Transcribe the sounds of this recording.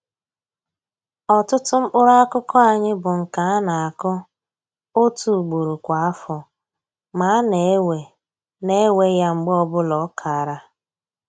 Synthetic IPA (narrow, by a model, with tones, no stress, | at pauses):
ɔ˨tʊ˦tʊ˦ŋ͡m̩˦k͡pʊ˦ɾa˦kʊ˦kɔ˦a˨ɲɪ˦bʊ˨ŋ̩˨ka˨a˦na˨a˨kɔ˦ | o˦tu˨ɡ͡bo˨ɾu˨kʷa˨a˦fɔ˨ | ma˨˦a˦ne˨e˦we˨ | ne˦we˦ja˦ŋ͡m̩˨ɡ͡bɔ˦bʊ˦lɔ˨˦kʰa˨ɾa˦